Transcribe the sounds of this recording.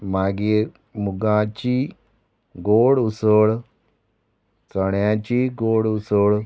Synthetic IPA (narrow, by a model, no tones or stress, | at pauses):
maːɡi | muɡãːt͡ʃiː | ɡoːɽusoːɽ | t͡səɳjãːt͡ʃiːɡoːɽusoːɽ